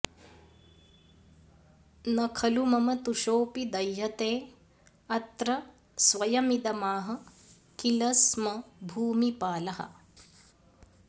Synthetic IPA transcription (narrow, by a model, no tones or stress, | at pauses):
nɐkʰɐlumɐmɐt̪uʃoːpid̪ɐjːɐt̪eː | ɐt̪ɾɐ | sʋɐjɐmid̪ɐmaːɦɐ̆ | kilɐsmɐbʱuːmipaːlɐɦɐ̰